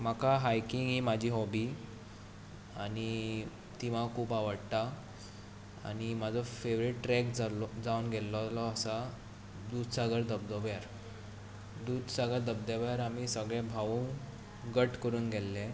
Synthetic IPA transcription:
m̤akaɦajkiŋɡɦiːmad͡ʑʱiːɦɔbiː | ani | t̪iʋ̤akʰuːpaʋəɽt̪a | a̰ɽ̃imad͡zʱɔfeʋɾiʈːɾɛkd͡zad͡zaunɡʱɛllɔlɔəsa | d̪uːd̪saɡəɾd̪əbd̪ɔbjaɾ | d̪uːd̪saɡəd̪əb̚d̪abjaɾamisəɡɭɛ̃bʱaʋuːŋ | ɡəʈkəɾuːnɡʱɛlːẽ

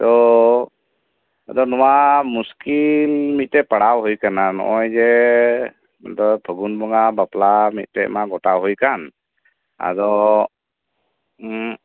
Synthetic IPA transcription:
t̪ɔ | a̰d̪ɔnɔwamuskilmit̪̚tːɛpaɽawɦujkananɔ̰ʔɔjd͡ʒɛ | ad̪ɔpʰəɡunbɔŋabaplamit̪̚t̪ɛ̰ʔmaɡɔʈawɦujkan | a̰d̪ɔ

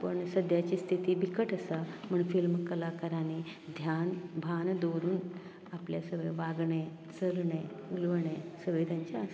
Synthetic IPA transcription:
pəɳsəd̪ʱjat͡ɕiːst̪ʰit̪iːbʱikəʈəsam̤əɳfilmkəlakəɾani | d̪ʱjanbʱand̪oɾuːn | apljasəʋəjʋaɡɳe | səlɳe | ulʋɳesəʋəjt̪jaɲt͡ɕaːs

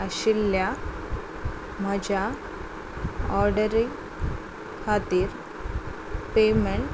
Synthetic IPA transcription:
ɐɕilːja | məd͡ʑa | ɔɾɖəɾi | kʰat̪iːɾ | pemeɳʈ

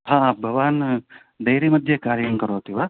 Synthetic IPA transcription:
hãːbʱɐʋaːn | d̪ɐjɾemɐd̪ʱjɐkaːɾjɐmkɐɾoːt̪iʋaː

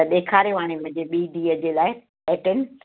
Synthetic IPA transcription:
ɗeːkʰaːɾjoʋaːɽ̃emɐ̃ɦɪ̃ɲd͡ʑeɓiːɖiːəd͡ʑelaːɪ | ɛːʈɪnɪ

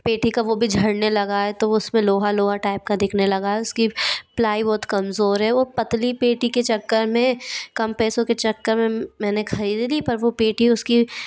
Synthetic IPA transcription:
peːʈʰikaʋobʱid͡ʒʱɐɽnelɐɡaɛt̪oʊsmẽloːɦaloːɦaʈaːɪp̚kad̪ɪkʰnelɐɡaːeʊskiplaːibɔːt̪kɐmzoːɾɦɛʋopɐt̪lipeːʈiket͡ʃɐkːəɾmẽkɐmpɛːsõket͡ʃɐkːəɾmẽmɛːnexʰɐɾiːd̪lipɐɾʋopeːʈiʊski

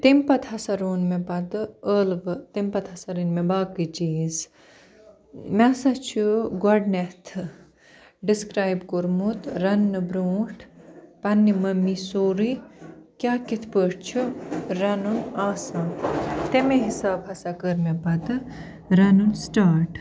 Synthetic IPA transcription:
t̪impɐt̪ʰhɐsɐɾoːnmẽbɐd̪ɨəːlʋɨt̪impɐt̪ʰɐsɐɾinmẽbaːkid͡ʒiːz | mɛsat͡ʃʰuɡɐɖnet̪ʰ | ɖiskɾaːjbkoɾmut̪ɾɐnːɨbɾoːʈʰpɐnːimɐmːisoːɾikʲjaːkit̪ʰpəːʈt͡ʃʰuɾɐnunaːsãːt̪emẽɦisaːbɐsakəɾmẽbɐd̪ɨ | ɾɐnunsʈaːɾʈ

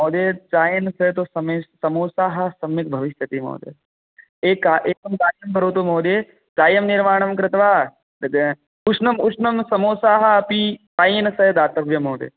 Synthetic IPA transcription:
moːd̪eːt͡ʃaːjɐnsɐɦt̪osɐmesɐmoːsaːɦɐ̆sɐmːik̚bʱɐʋiʃjɐt̪imo̰ːd̪ḛː | eːkaʔeːkɐmkaːjɐmbʱɐɾoːt̪omoːd̪eː | t͡ʃaːjɐmniɾmaːɳ̃ɐmkɾɪt̪ʋaː | ut͡ʃʰnɐmut͡ʃnɐmsɐmoːsaːɦɐɐpit͡ʃaːjɐnsɐɦɐd̪aːt̪ɐʋjɐmoːd̪ḛː

